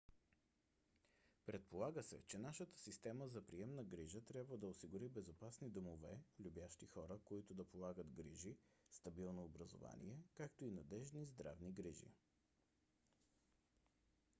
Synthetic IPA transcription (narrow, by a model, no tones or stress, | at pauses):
pɾɛt̪̚polˠaɡəsɛ̰t͡ʃɛnaʃət̪ə̥sist̪ɛməzɐpɾiɛmnəɡɾiʒət̪ɾʲjabvəd̪ɐosiɡʊɾibɛzopasnid̪omovɛlʲubjaʃt̪ixɔɾəkoit̪ʊd̪ɐpolˠaɡət̪ɡɾiʒist̪ɐbilˠnoːbɾəzo̰va̰nḭɛkakt̪oinɐd̪ɛʒnizd̪ɾa̰vniɡɾiʒḭ